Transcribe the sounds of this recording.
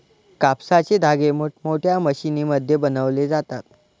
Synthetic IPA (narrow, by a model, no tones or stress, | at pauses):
kapsat͡ɕed̪ʱaɡemoʈmoʈʰjaməɕiniməd̪ʱːjebənəʋled͡zat̪at̪̚